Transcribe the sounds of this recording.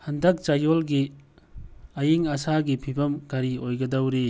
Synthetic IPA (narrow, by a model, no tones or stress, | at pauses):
hɐndɐk̚t͡ʃajolɡi | ɐjiŋɐsaɡipʰibɐmɡaɾiojɡɐdɐwɾi